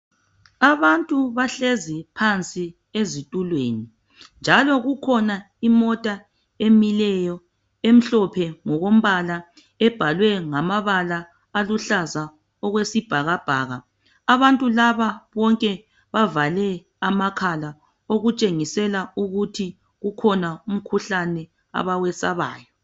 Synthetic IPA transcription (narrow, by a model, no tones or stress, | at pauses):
aβantʼuβaɬezipʰant͡sʼi | ezitʼulweni | nd͡ʒʱalɔɣukʰɔna | imɔtʼa | emilɛjɔ | em̩ɬɔpʰɛŋɔɣom̩βala | ɛb̥ʱalwɛŋamaβalaː | luɬaza | ɔɣwesib̥ʱaɣab̥ʱaːɣaː | βantʼulaβaβɔŋkʼɛ | βavalɛ | amakʰala | oɣut͡ʃʼeŋisɛlauɣutʰi | ɣukʰɔnaum̩kʰuɬanɛ | a̰βawɛsaβa̰ːjɔ